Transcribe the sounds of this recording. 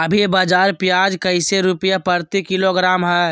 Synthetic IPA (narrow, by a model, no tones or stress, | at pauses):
ɐbʱiebaːd͡ʒaːɾpjaːd͡ʒkəɪseɾʊpəjapəɾt̪ikɪloɡɾaːmɦɛː